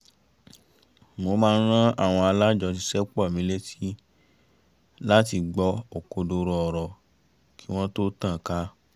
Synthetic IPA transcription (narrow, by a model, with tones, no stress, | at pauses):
mo˧˦mãː˦˧n̩˦ɾ̃ã˦a̰˦˨w̃ɔ̃˧a˧la˦d͡ʒɔ˧t̬i˧sɛ˦k͡pɔ˦˨mĩ˦le˦ti˦ | la˦ti˧ɡ͡bɔ˧˦o˨ko˧do˧ɾɔ˧ɔ˨ɾɔ˨ | ki̥˦w̃ɔ̃˦to˦tã˦˨ka˨˦